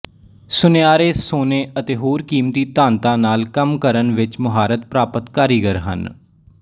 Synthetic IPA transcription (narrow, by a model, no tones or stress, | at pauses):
sʊneaːɾeːsoːneːət̪eːɦoːɾkiːmt̪iːt̪ãːnt̪ãːnaːlkəmkəɾənʋɪt͡ʃmʊɦaːɾət̪̚pɾaːpət̪kaːɾiːɡəɾɦə̰n